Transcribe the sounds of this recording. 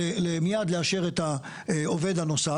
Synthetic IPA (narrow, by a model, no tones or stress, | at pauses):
elemijad̪leaʃe̞ʁet̪a | ove̞dhano̞sa